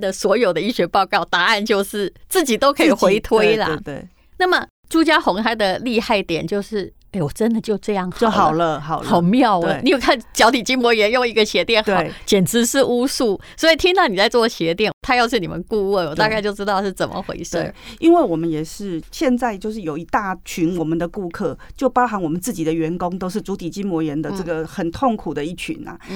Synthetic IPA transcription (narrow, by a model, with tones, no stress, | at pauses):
d̪ə˨swɔ˧˥jo˨˩ʊd̪ə˦i˥˩ɕɥɛ˧˥pɑ˥˧ʊkɑ˥˩ʊt̪a˧˥a˥˧nt͡ɕjo˥˧ʊʂɻ̩˥˩t͡sɹ̩˥˩t͡ɕi˨˩t̪o˥ʊkʰɤ˧˥i˨˩xwe˧˥ɪt̪ʰwe˧˥ɪlə̰˥˧e˥˩ɪ | na˥˩mə˩ | ʈ͡ʂu˥t͡ɕja˥xʊ˧˥ŋt̪ʰa˥ɪd̪ə˨li˥˧xa˥˩ɪt̪jɛ̰˨˩nt͡ɕjo˥˧ʊʂɻ̩˥˩ | e˥˩ɪwɔ˨˩ʈ͡ʂə˦nd̪ə˨t͡ɕjo˥˧ʊʈ͡ʂɤ˥˧jɑ˥˩ŋxɑo˥˨˧xɑ˨˩ʊlə˦xɑ˨˩ʊlo˨˩˧ʊmjɑ˥˩ʊə˨˩ni˨˥jo˨˩kʰa˥˩nt͡ɕjɑ˧˥ʊt̪ʰi˨˩t͡ɕi˥ŋmwɔ˧˥jɛ˧˥njo˥˧ŋi˧˥ɡə˧ɕjɛ˧˥t̪jɛ˥˩nxɑ˨˦ʊ˩t͡ɕjɛ˨˩nt͡s̩˧˥ʂɻ̩˥˧u˥su˥˩ | swɔ˧˥i˨˩t̪ʰi˥ŋt̪ɑ˥˩ʊni˨˩t͡sa˥˧ɪt͡swɔ˥˩ɕjɛ˧˥t̪jɛ˥˩nt̪ʰa˥jɑ˥˧ʊʂɻ̩˥˩ni˨˩mə̰˦nku˥˧wu˥˩nwɔ˨˩t̪a˥˧ka˥˧ɪt͡ɕjo˥˧ʊʈ͡ʂɻ̩˥t̪ɑ˥˧ʊʂɻ̩˥˩t͡sə˨˩mə̰˦xwḛ˧˥ɪʂə̰˥˩i˦˥nwe˥˩ɪwɔ˨˩mə˦njɛ˨˩ʂɻ̩˥˩ɕjɛ˥˧nt͡sa˥˧ɪt͡ɕjo˥˧ʂɻ̩˥˩jo˨˩ʊi˧˥t̪a˥˩t͡ɕʰy˧˥nwɔ˨˩mə˦nd̪ə˨ku˥˧kʰɤ˥˩t͡ɕjo˥˩ʊpɑ˥ʊxa˧˥nwɔ˨˩mə˨˦nt͡sɹ̩˥˩t͡ɕi˨˩d̪ə˦ɥɛ˨˧˥nkʊ˥ŋt̪o˥ʊʂ̬ɻ̩˥˩t͡su˧˥t̪ʰi˨˩t͡ɕi˥nmwɔ˧˥jɛ˧˦nd̪ə˧ʈ͡ʂɤ˥˩ɡə˨xə˨˩nt̪ʰo˥˩ŋkʰu˨˩d̪ə˦i˥˩t͡ɕʰy̰˧˥nɐ̰˨